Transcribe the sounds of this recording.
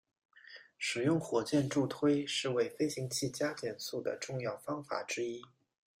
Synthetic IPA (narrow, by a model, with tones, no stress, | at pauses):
ʂɻ̩˨˩jʊ˥˩ŋxwɔ˧˥t͡ɕjɛ˥˧nʈ͡ʂu˥˩t̪ʰwe˥ɪʂɻ̩˥˧we˥˩ɪfe˥ɪɕi˧˥ŋt͡ɕʰi˥˩t͡ɕja˥t͡ɕjɛ˥˩nsu˥˩d̪ə̰˩ʈ͡ʂʊ˥˧ŋjɑ˥˩ʊfɑ˥ŋfa̰˨˩˦ʈ͡ʂɻ̩˥i˥